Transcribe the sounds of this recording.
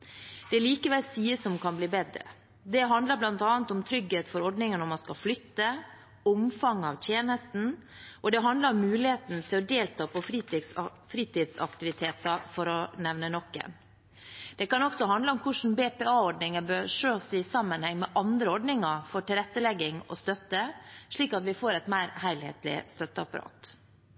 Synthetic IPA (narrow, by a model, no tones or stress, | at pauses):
d̪̥ɛliːkəʋɛlsiːəsɔmkʰɑnbliːbɛd̪ɾə̰ | d̪ɛɦɑnd̪ləɾblɑnt̪ɑːənt̪ɔmt̪ʰɾʏɡheːt̪fɔɾɔɖnɪŋənɔmɑnskɑflʏt̪ːə | ɔmfɑŋɑʋt̪ʰjeːnəst̪n̩ | ʔɔd̪ɛɦɑnd̪ləɾʊmːʉːlɪheːt̪n̩t̪ʰɪlɔd̪eːlt̪ʰɑːpɔfɾiː | fɾiːt̪ɪːd̪sɑ̰kt̪ɪʋɪt̪ʰeːt̪ɑfɔɾɔnɛʋnənɔkːə̰n | d̪̥ɛkɑnɔksɔɦɑnd̪ləɔmkʰʊʂn̩beːpeːɑːɔɖɳɪŋəbøɾʂøːsɪsɑmːənhɛŋːmɛʔɑnd̪ɾəɔɖnɪŋɑfɔʈɪlɾɛt̪ːəlɛɡːɪŋɔ̰st̪œt̪ːəʂɭiːkɑt̪ʋɪfoːɾɛt̪mæɪɾhæɪlhḛːt̪lɪ̰st̪œt̪ːəɑ̰pɑɾɑ̰ːt̪